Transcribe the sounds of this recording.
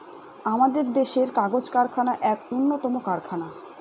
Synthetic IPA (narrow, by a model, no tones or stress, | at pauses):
amad̪eɾd̪eʃeɾkaɡod͡ʑkaɾkʰanaʔɛkunːot̪ɔmokaɾkʰana